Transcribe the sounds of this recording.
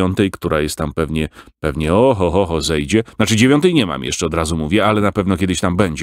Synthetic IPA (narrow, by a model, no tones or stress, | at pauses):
ɔnt̪ɛjkt̪uɾajɛst̪t̪ːampɛvɲɛpɛvɲɛɔɦɔɦɔɦɔzɛjd͡ʑɛnat͡ʂɘd͡ʑevʲjɔnt̪ɛjɲɛma̰mjɛ̰ʂt͡ʂɛɔd̪ɾazumuvʲjɛalɛnapɛvnɔkʲjɛd̪ɘɕt̪ambɛɲd͡ʑɛ